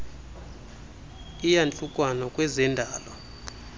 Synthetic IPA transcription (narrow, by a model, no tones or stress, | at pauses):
ijant͡ɬʼukʼwanɔkʼwɛzɛndʱaːlɔ